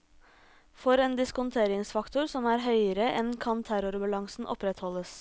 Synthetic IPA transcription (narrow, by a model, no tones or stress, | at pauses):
fɔɾeːnd̪ɪskʊnt̪ʰeːɾɪŋsfɑkt̪ʊɾsɔmæːɾɦœʏəɾəʔɛnkʰɑnt̪ʰæɾʊɾbɑlɑŋsn̩ʔɔ̰pɾɛt̪hɔləs